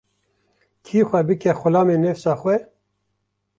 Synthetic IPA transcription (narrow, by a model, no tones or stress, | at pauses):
kʰiːxʷɛbɨkɛxʊlɑːmeːnɛfsɑːxʷwɛ